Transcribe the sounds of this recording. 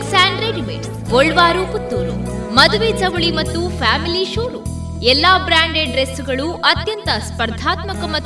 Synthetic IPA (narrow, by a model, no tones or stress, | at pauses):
saːɳɖɾeɖimḛʈ | ɔɭːʋaːɾuput̪ːuːɾu | mɐd̪uʋeːd͡ʒɐʋuɭimɐt̪ːufʰaːmiliʃuːɾu | ɛlːaːbɾaːɳɖeɖɾesuɡɐɭuʔɐt̪jɐnt̪ɐspɐɾd̪ʱaːt̪mɐkɐmɐ